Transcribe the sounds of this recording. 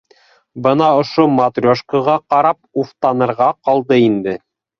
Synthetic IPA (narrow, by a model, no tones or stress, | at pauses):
bɤnɑŏʃomat̪rʲoʃkəʁɑqɑɾɑp̚uft̪ɑnɤ̆ɾʁɑqɑlˠd̪ɤind̪ɘ